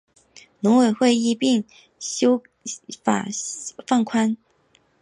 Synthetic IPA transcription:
lʊ˧˥ŋwe˨˩ɪxwe˥˧ɪi˥˧pi˥˩ŋ | ɕo˥ʊ | fa̰˨˩fa˥˩ŋkʰwa˥n

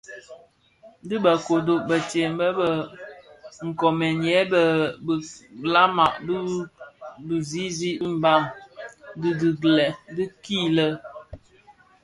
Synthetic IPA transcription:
di˦ba˨ko˨do˨ʔbə˨te˨m˨bə˦bə˨ | ŋ̩˨kɔ˨mɛ˨njɛ˨˦bə˨bla˦ma˨ʔbi˦ | bi˨zi˦zi˦m̩˨ba˦˨m | di˦di˨ɡlɛ˨di˦ki˦lə˦

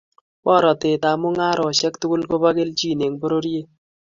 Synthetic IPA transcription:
pɔ˦˨ɾɔ˨tɪ˨ta˨mʊ˦ŋa˦ɾʔɔ˨ʃɛ˦kt̪u˦ku˦lko˦ba˦ɡe˦ld͡ʒi˦˨ne˨ŋbo˦ɾo˦ɾje˦

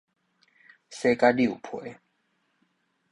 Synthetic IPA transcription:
se˦ka˦li˥˨ṵ˨pʰwḛ˨˦

